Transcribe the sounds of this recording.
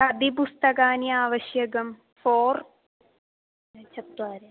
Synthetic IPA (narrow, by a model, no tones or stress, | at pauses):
ɐd̪ip̬ust̪ɐɣaːniaːʋɐɕjɐɣɐm | foːr | t͡ɕɐt̪ːwaːɾe